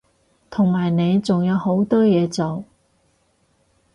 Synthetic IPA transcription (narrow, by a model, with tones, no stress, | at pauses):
t̪ʰʊ˨˩ŋmaː˨˩jne˨˧jt͡sʊ˨ŋjɐ˨˧who˨˥wt̪ɔː˥jɛː˨˧˥t͡so˨˩w